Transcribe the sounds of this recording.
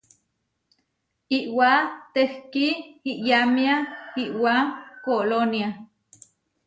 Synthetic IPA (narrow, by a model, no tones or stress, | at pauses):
iʔwat̪ehkiiʔjamiaiʔwakolonja